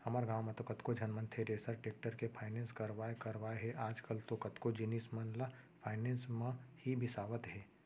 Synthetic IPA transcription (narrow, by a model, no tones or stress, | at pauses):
hɐmaːɾɡaːʋmet̪okɐt̪kod͡ʒʱɐnmə̃nt̪ʰeɾeːsəɾʈeːk̚ʈəɾkepʰaːɪnẽnskɐɾʋaːekɐɾʋaːeɦɛʔaːd͡ʒkəlt̪okɐt̪kod͡ʒɪniːsmɐnla | pʰaːɪnẽːnsmãhibʱɪsaːʋət̪ɦɛː